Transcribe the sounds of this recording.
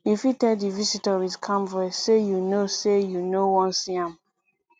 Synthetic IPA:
ifitɛdivisitəɹizkʰãmvɛsejunosejunowɔ̃nsiãm

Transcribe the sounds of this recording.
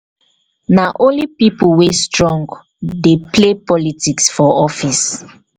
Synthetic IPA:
naʔõnlipipulwestɹɔ̃ŋɡ | deplepɔlitiksfɔɔfis

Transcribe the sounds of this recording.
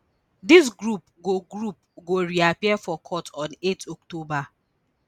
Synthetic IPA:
dis̬ɡɾupɡoɡɾup̚ɡoɾiapiɛfɔkʰɔtɔ̃netɔktoba

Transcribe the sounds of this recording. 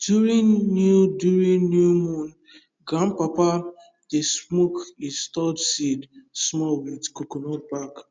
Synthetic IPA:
djuɾĩnnudjuɹĩnːjumɔ̃n | ɡãmpapa | d̥esmokistɔdsidsmɔwidkokonɔbak

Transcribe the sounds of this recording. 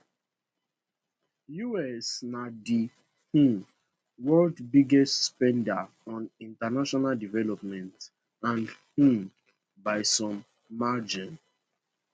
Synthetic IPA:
juɛsnadi | hũ | wɔldbiɡɛstspɛ̃nda | ɔ̃nĩntanaʃɔnaldivɛlɔp̚mɛ̃nt | ãnhũm | baɪsɔ̃mː | ad͡ʒĩn

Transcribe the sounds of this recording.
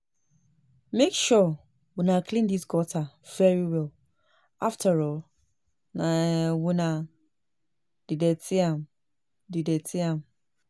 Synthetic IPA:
mekʃɔ | winaklĩndisɡɔtʰav̥ɛɹiwɛl | ʔaftʰaɹɔl | nawina | d̥ideteãm | didetʰiãm

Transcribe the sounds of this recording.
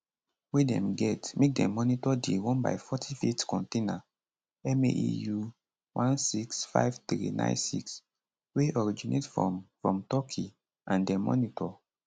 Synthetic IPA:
wedɛ̰̃mɡɛtmek̚dɛ̰̃mːɔnitɔdewɔ̃nba̰jfɔtʰifetkɔ̃ntena | ɛmeʔḭju | wʔãnsiksfa̰jvtɹḭnã̰ɪ̃nsḭks | weɔɹid͡ʒinʔḛtfɔ̰fɹɔ̃mtɔkʰi | ʔãndɛmɔ̰nitɔ

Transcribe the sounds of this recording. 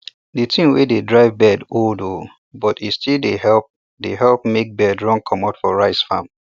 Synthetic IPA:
detʰĩŋwededɹaɪvbɛdoldo | bɔtistildehɛlp̚ | deɦɛlp̚mek̚bɛdɹɔ̃ŋkʰɔ̃matfɔɹaɪsfãm

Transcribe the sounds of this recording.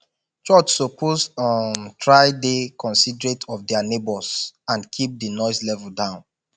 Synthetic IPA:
t͡ʃɔt͡ʃsopʰozɔntʰɹaɪdekʰɔ̃nsidɹetʰɔvdɛanebɔsãnkʰip̚dənɔɪslɛvəldãʊ̃n

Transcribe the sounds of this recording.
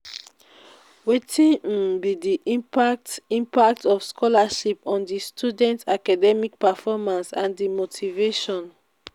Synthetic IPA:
wetʰĩn̩bidiʔĩmpak̚tĩmpak̚tɔfskʰɔlaʃipɔ̃ndistʰudɛ̃ntakadɛmik̚pɛfɔmãnsãndimotʰiveʃɔ̃n

